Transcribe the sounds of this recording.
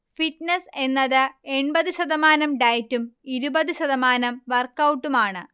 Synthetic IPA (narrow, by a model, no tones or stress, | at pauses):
fitnese̞nːɐðɨe̞ɳbɐðɨɕɐðɐmaːnɐmɖɐjtːumiɾubɐðɨɕɐðɐmaːnɐmʋɐrkːɐwʈːumaːɳɨ